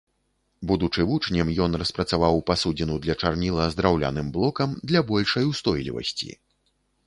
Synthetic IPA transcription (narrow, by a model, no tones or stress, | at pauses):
bud̪ut͡ʂɨvut͡ʂnʲɐmjɔnrɐspɾɐt̪savawpasud͡zʲinud̪lʲɐt͡ʂarnʲilˠɐzd̪ɾawlʲa̰nɨmblˠɔkɐmd̪lʲɐbɔlʲʂɐjwst̪ɔjlʲḭvɐ̰sʲt͡sʲḭ